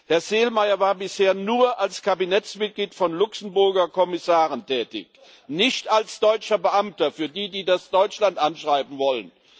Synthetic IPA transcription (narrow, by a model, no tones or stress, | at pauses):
hɛɐzeːlmaɪɐvaːɐbɪsheːɐnuːɐʔalskʰabinɛt͡smɪt̚ɡ̥liːtfɔnlʊksn̩bʊɐɡɐkʰɔmɪsaːʁəntʰɛːtɪ̰ç | nɪçtalsd̥ɔʏt͡ʃɐbəʔamtɐfyːɐdiːdiːdasd̥ɔʏt͡ʃlantʔanʃʁ̥aɪbm̩vɔlən